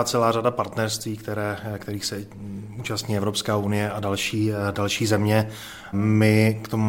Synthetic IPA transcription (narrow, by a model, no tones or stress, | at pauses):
at͡sɛlaːradapaɾt̪nɛɾst̪viːkt̪ɛɾɛːkt̪ɛɾiːxsɛ | uːt͡ʃast̪ɲiːɛvɾo̞pskaːunɪjɛʔadalʃiːdalʃiːzɛmɲɛ | mɪkt̪o̞mu